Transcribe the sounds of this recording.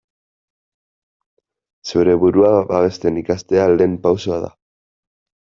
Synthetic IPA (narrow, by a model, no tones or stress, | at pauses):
sewɾe̞βuɾuabaβe̞st̪e̞nikast̪e̞ale̞ːmpawsoaða̰